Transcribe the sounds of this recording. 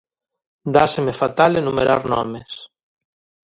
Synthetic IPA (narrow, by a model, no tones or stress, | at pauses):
d̪asemefat̪alenumeɾaɾnɔ̰mes